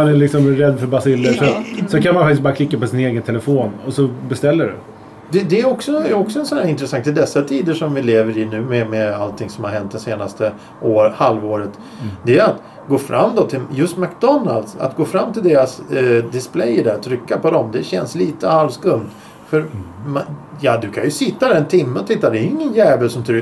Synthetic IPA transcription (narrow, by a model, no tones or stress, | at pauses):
anælɪksɔmɾɛd̪ːfœɾbasɪlːəʂɔsɔkʰanmanfak̪̚ɪsbɑːɾakʰlɪkːapɔsɪneːɡənt̪ʰɛlɛfoːnɔsɔbɛst̪ɛlːəɖɛ̰ | d̪ɛd̪ɛːɾɔksɔɛɾɔksɔɛnsɔnæɾɪnt̪ɾɛsaŋkt̪ːɪld̪ɛsːat̪ʰiːd̪əʂɔmvɪleːvəɾɪnʉ̟ːmɛmɛalt̪ʰːɪŋsɔmhaɾɦɛnt̪̚d̪ɛnseːnast̪ʰə | ʔoːɾhalvoːɾət̪ | d̪ɛæat̪ | ɡoːfɾʔa̰mːd̪ɔt̪ʰɪljɵst̪mækd̪ɔnːa̰ld̪sa̰t̪ɡoːfɾamːt̪ʰɪld̪eːɾasd̪ɪsplɛjɖ̪æɾt̪ʰɾʏkːapɔd̪ɔmd̪ɛɕɛ̰nsliːt̪əhalvskɵnd̪ | fœɾmajɑːd̪ɵkʰanjɵsɪt̪ːad̪æɾɛnt̪ʰɪmːəɔt̪ʰɪt̪ːad̪ɛɾɪŋːənjæːvəlsɔmt̪ʰɾʏ